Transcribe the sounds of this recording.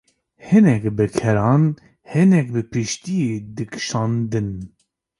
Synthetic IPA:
hɨnɛkbɨkʰɛɾɑːn | hɨnɛk̚bɨpʰɨʃt̪ijed̪ɨkʰʃɑːnd̪ɨn

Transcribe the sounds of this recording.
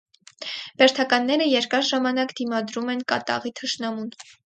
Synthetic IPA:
b̥ɛɾt̪ʰɑkɑnːɛɾəjɛɾkɑɾʒɑmɑnɑkd̪imɑd̪ɾumɛnkɑ̰t̪ɑ̰ʁit̪ʰəʃnɑmun

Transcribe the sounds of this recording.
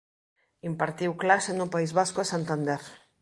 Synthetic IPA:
impaɾt̪iwklasenupaizβaskoesant̪and̪ɛɾ

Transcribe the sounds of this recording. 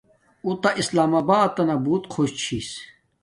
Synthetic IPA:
ut̪aʔislaːmaːbaːd̪̚t̪ːɐnabuːt̪kʰoɕt͡ɕʰiːs

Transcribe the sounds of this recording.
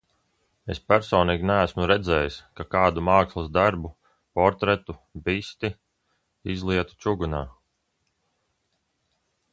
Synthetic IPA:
espæɾsɔːniːɡʲinæːsmuɾɛd̪zɛːjiskakaːd̪umaːkslˠasd̪aɾbu | pɔɾt̪ɾɛt̪ubist̪i | izlˠiɛt̪u̥t͡ʃuɡunaː

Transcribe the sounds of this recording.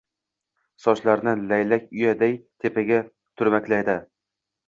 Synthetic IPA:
sɒʃlaɾnɪlajlakʲʊjad̪ajt̪ʰepʰaɡʲa | t̪ʰʊɾmakʲlajd̪ɪ

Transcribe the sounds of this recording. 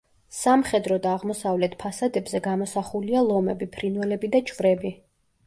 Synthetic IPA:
samχɛd̪ɾɔd̪aːʁmɔsavlɛt̪̚ʰpʰasad̪ɛbzɛɡamɔsaχulialˠɔmɛbipʰɾinvɛlɛbid̪at͡ʃʼvɾɛbi

